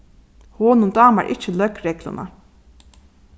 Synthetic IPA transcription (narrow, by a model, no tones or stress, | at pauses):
hoːnʊnd̪ɑːma̰ɹʔɪ̰t͡ʃːəlœkɾɛɡla̰na̰